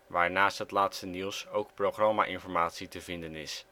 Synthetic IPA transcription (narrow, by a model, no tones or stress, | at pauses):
ʋaːɹnaːstɦətlaːtstəniwsowkprowχrɑma̰ʔɪnfɔɹmaːtsitəvɪndənɪs